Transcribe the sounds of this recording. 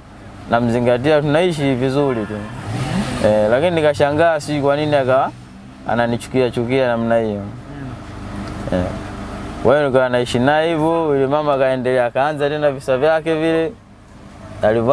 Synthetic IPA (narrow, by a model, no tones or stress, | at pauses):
nam̩ziŋɡat̬iat̬unaiʃ̬ivizulitu | ɛlakininikaʃaŋɡasikwaniniaka | a̰nanit͡ʃu̥kiat͡ʃukianam̩naijɔ | ɛ̰ | kwʔaɔnikanaiʃinaivɔilɛmamakaɛndɛlɛakaːnzatɛndavisavjakɛvilɛ | aliv